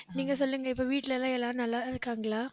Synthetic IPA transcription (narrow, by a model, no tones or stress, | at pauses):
niːŋɡɐsɔlːɯŋɡɐɪpːoːʋiːʈːɪlɛlãːɛlːãːnɐlːaːɪðɯkːaːŋɡɐɭaː